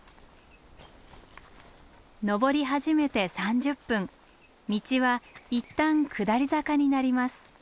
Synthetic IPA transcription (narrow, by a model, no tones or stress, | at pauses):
no̞bo̞ɾʲiɦaʑime̞t̪e̞sãɲ̟d͡ʑɨpːɯ̟̃ŋ | mʲit͡ɕiβait̪ːãŋkʰɯ̟d̪aɾʲizakaɲ̟inaɾʲimasɨ̥